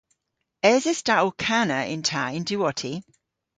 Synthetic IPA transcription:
ɛːzɛstaʔɔkʰanəɪ̰̃ntʰaɪ̃ndʉɔtʰi

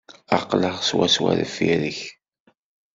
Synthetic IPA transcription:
ɑqləʁswæswæ̰ɾəfːiɾəç

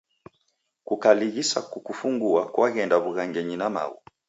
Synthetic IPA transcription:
kukaliɣisakukufuŋɡuakwaɣɛndaβuɣaŋɡɛɲinama̰wṵ

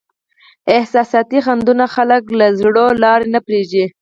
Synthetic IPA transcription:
ɪhsɑsɑt̪ixand̪unaxaləklazɽolɑɾenapɾeʒe

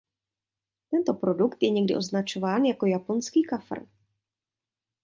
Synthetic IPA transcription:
t̪ɛnt̪o̞pɾo̞dukt̪jɛɲɛɡdɪ̰ʔo̞znat͡ʃo̞vaːnjako̞japo̞nskiːkafr̩

